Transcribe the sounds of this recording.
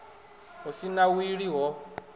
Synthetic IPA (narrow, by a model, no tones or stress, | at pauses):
ɦɔsinawiɺiɦɔ